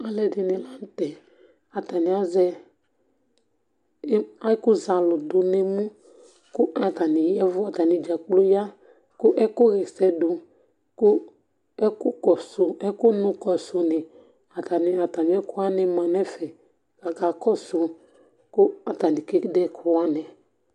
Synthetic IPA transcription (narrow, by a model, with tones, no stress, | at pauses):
a˨lɛ˨dɪ˨nɪ̃˨la˦n̩˦t̪ɛ˨ | a˨ta˨nɪ˨a˦zɛ˦ | a˦kʊ˦za˨lʊ˨dʊ˨ne˨mũ˦ | kʊ˦ʔa˨ta˨nɪ˨jɛ˦vʊ˦a˨t̪a˨nĩ˨d͡ʒa˨k͡plo˦ja˦ | kʊ˦ʔɛ˦kʊ˦ɣɛ˨sɛ˦dʊ˨ | kʊ˦ | ɛ˦kʊ˦kɔ˨sʊ˨ɛ˦kʊ˦nʊ̃˨kɔ˨so˨ne˨ | a˨t̪a˨ni˨a˨ta˨m˨˦ɛ˦kʊ˦a˦nɛ˨mã˨nɛ̃˦fɛ˨ | ɡa˨ɡa˨kɔ˦sʊ˨ | kʊ˦a˨ta˨ni˨ke˦dɛ˦kʰʊ˦wa˦nɛ̃˨